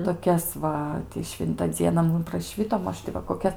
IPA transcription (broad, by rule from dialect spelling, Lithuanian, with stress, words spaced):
toːˈkʲɛs ʋɐ tʲɪ ˈʃʲʋʲɪntɐ ˈd͡zʲiɛnɐ ˈmʊm prɐˈʃʲʋʲɪtoː ˈmɐʃ tʲɪ ʋɐ koːˈkʲɛs